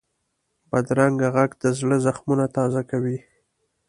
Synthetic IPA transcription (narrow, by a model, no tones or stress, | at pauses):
b̥ad̪ɾaŋɡaɣaɡd̪əzləzaxmunat̪ɑzakawi